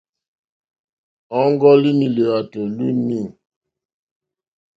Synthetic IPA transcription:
ɔ˦ŋɡɔ˦li˦ni˨lə˨a˨to˨lu˦ni˦˨

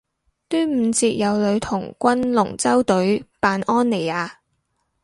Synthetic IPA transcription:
t̪yː˥m̩˨˧t͡siː˧t̚jɐ˨˧wlɵ˨˧ɥt̪ʰʊ˨˩ŋkʷɐ˥nlʊ˨˩ŋt͡sɐ˥wt̪ɵ˨˥ɥpaː˨˧nɔː˥nːe˨˩jaː˨˧

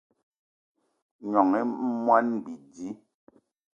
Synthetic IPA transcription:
ɲɔ˨ŋɛ˦mwa˦n˨bi˨di˦

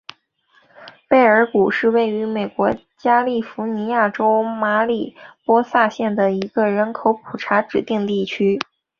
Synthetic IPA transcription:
pe˥˩ɪə˞˧˥ku˨˩ʂɻ̩˥˧we˥˩ɪy˧˥me˨˩ɪkwɔ˧˥ | t͡ɕja˥li˥˩fu˧˥ni˧˥ja˥˩ʈ͡ʂo˥ʊma˧˥li˨˩pwɔ˥sa˥˧ɕjɛ˥˩nd̪ə˩i˧˥ɡ̥ə˧ɻə˧˥nkʰo˧˥ʊpʰu˨˩ʈ͡ʂʰa˧˥ʈ͡ʂɻ̩˨˩t̪i˥˧ŋt̪i˥˩t͡ɕʰy˥

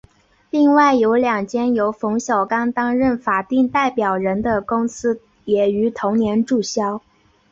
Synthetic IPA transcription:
li˥˧ŋwa˥˩ɪjo˧˥ʊljɑ˨˩ŋt͡ɕjɛ˥njo˧˥ʊfʊ˧˥ŋɕjɑ˨˩ʊkɑ˥ŋt̪ɑ˥ŋɻə˥˩nfa˨˩t̪i˥˧ŋt̪a˥˩ɪpjɑ˨˩ʊɻə˧˥nd̪ə˧kʊ˥ŋsɹ̩˥ | jɛ˨˩y˧˥t̪ʰʊ˧˥ŋnjɛ˧˥nʈ͡ʂu˥˩ɕjɑ˥ʊ

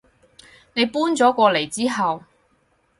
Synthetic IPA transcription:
ne˨˧jpuː˥nt͡sɔː˨˥kʷɔː˧le˨˩jt͡siː˥ɦɐ˨w

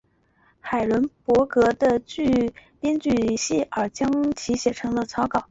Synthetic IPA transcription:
xa˨˩ɪlə˧˥npwɔ˧˥kɤ˧˥d̪ə˧t͡ɕy˥˧pjɛ˥nt͡ɕy˥˩ɕi˥˩ə˞˨˩t͡ɕjɑ˥ŋt͡ɕʰi˧˥ɕjɛ˨˩ʈ͡ʂʰɤ˧˥ŋlə˧t͡sʰɑ˥ʊkɑ˨˩˦ʊ

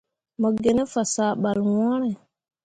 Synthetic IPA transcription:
mə˨ɡe˨ne˦fa˨saː˨ɓa˨lwɔ̃˦ɾe˨

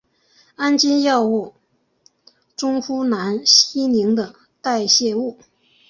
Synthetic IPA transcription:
a˥nt͡ɕi˥njɑ˥˧ʊu˥˩ | ʈ͡ʂʊ˥ŋfu˥na˧˥nɕi˥ni˧˥ŋd̪ə˧ | t̪a˥˧ɪɕjɛ˥˧u˥˩

